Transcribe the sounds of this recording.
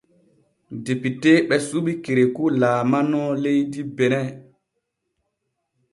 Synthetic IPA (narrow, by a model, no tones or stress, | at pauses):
depiteɓɛsuɓikeɾekulaːmanɔlejdibenɛ